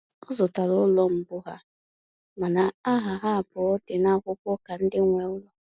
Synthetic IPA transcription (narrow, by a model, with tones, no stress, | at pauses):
ʊ˦zʊ˨ta˨lʊ˦lɔ˦m̩˨bʊ˦ɦa˦ | ma˨na˨a˦ɦa˨ɦa˦a˨bʊ˨ɔ˦dɪ˨na˦kʷʊ˦kʷɔ˦ka˨n̩˦dɪ˦ŋʷe˨ʊ˦lɔ˦